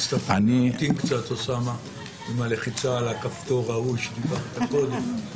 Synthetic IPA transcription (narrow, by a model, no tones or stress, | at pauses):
st̪afanit̪inkt͡sat̪osama | imaleχit͡saːlakaft̪oʁauʃnikaχet̪akod̪em